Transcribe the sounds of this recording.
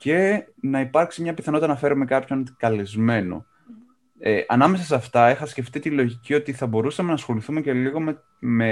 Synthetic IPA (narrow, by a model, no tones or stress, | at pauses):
ce̞nɐipɐɾksimɲɐpiθɐno̞t̪ɐnɐfe̞ɾume̞kɐpçont̪kɐlizme̞no̰ | eʔɐnɐme̞sɐsɐft̪ɐexɐsce̞ft̪it̪ilo̞ʝicio̞t̪iθɐbo̞ɾusɐme̞nɐsxo̞liθume̞ce̞liɣo̞m | me